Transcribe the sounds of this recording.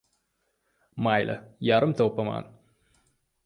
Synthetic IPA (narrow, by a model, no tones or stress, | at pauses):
majlʔɐ̰jaɾɨmt̪oːpːɐma̰ːn